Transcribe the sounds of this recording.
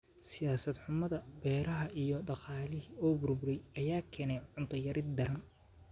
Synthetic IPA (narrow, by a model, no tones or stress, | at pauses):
sɪjaːsɐd̪ħʊmɐðɐbɛːɾɐɦɐʔijɔɖɑqɑːlɪɦiɔːbʊrbʊɾɛjɐjaːkʰɛːnɛjʕʊnt̪ʰɐjɐɾɪd̪d̪ɐɾɐn